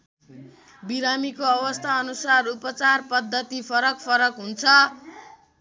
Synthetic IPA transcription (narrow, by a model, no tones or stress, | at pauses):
biɾamikoʌβʌst̪ʰaʌnusarupʌt͡sarpʌd̪ʱːʌt̪ipʰʌɾʌk̚pʰʌɾʌkɦunt͡sʰʌ